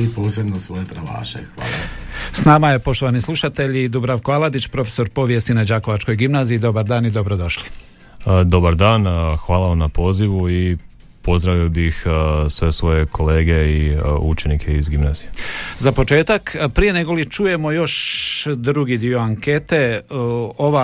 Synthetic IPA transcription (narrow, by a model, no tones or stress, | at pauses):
ipoːsebnosʋojepɾaʋa̰ːʃexʋaːlasnaːmaje̞po̞ʃt̪o̞ʋanislˠuʃat̪e̞ʎid̪ubɾaʋkoalad̪it͡ɕpɾo̞fe̥so̞ɾpo̞ːʋjest̪inad͡ʑako̞ʋat͡ʃko̞jɡimnaːziid̪obaɾd̪aːnid̪o̞bɾo̞d̪o̞ʃli̥ | d̪o̞baɾd̪aːnxʋaːlaʋamnapo̞ːziʋui | po̞zd̪ɾaʋiobixsʋe̞sʋo̞jekʰo̞leːɡeiut͡ʃenikʰeizɡimna̰ːzijezapo̞t͡ʃe̞ːt̪akpɾije̞ne̞ɡo̞lit͡ʃuːje̞mo̞jo̞ʃd̪ɾuɡid̪io̞aŋket̪e̞ | oʋa